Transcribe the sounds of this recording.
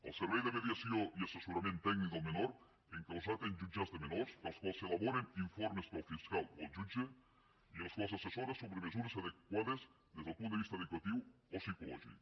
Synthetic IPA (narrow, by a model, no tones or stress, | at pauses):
ḛlseɾβejðemeðjasioiasesuɾamjẽnt̪ːeɡnikomenoɾ | eŋkawsat̪end͡ʒud͡ʒazðemenoɾsalskwalselaβoɾeniɱfoɾmespolfiskaleld͡ʒud͡ʒe | ielskwalesasesoɾesoβɾemesuɾesaðek̚waðez | ðezðelpũnt̪ist̪aeðekwat̪iwosikolo̰ʒḭk